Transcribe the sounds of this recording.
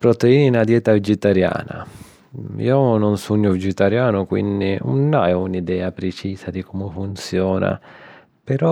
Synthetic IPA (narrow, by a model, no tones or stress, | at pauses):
pɾot̪eiːinad̪jɛːt̪avid͡ʒit̪aɾja̰ːna̰ | ḭːonɔnsuɲːʊvid͡ʒɛt̪aɾjaːnʊkwḭndiṵnːaɛunid̪ɛːapɾet͡ʃiːsad̪ikɔmʊfunt̪sjɔːna̰ | pɛɾɔ